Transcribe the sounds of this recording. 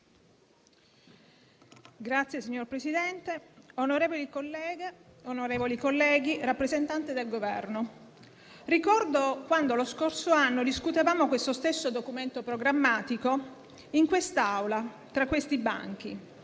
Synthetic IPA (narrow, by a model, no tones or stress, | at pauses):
ɡɾat̪sːjesiɲːorpɾesid̪ɛnt̪eonoɾeːvolikolːɛːɡeonoɾeːvolikolːɛːɡirapːɾezent̪ant̪ed̪elɡovɛ̰rno | rikɔrd̪okwand̪oloskorsoanːod̪iskut̪evaːmokwest̪ost̪esːod̪okument̪opɾoɡɾamːaːt̪iko | iŋkwest̪aawla | t̪ɾakːwest̪iba̰ŋk̟ḭ